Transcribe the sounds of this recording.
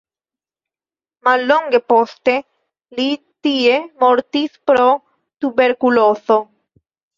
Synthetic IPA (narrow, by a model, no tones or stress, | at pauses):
malːoŋɡepost̪e | li | t̪iemoɾt̪ispɾo | t̪ubeɾkuloθo